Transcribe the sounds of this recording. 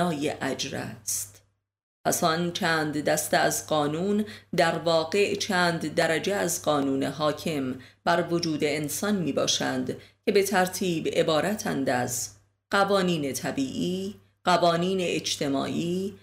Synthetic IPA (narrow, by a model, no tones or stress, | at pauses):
ɒːjeʔæd͡ʒɾæ̰st̪ | pʰæsɒnt͡ʃʰæːnd̪d̪æst̪eæzɢɒːnuːnd̪æɾvɒːɡe̞ʔt͡ʃʰæːnd̪d̪æɾæd͡ʒeæzɢɒːnuːne̞ɦɒːcʰe̞mb̥æɾvo̞d͡ʒuːd̪e̞ːnsɒnmiːbɒ̰ːʃænd̪cʰe̞be̞t̪ʰæɾt̪ʰiːbe̞bɒːɾæt̪ʰæ̰nd̪æz | ɢ̥ævɒːniːne̞t̪ʰæbiːʔiː | ɢ̥ævɒːniːne̞ed͡ʒt̪ʰe̞mɒ̰ːʔiː